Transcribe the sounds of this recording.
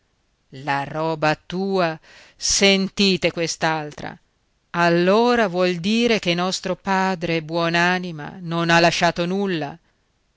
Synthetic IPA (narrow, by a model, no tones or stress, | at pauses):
larɔːbat̪uːa | sent̪iːt̪ekwest̪alt̪ɾa̰ | alːoːɾavwɔld̪iːɾek̟enːɔst̪ɾopaːd̪ɾebwɔːnaːnima̰nonalːaʃːaːt̪onulːa̰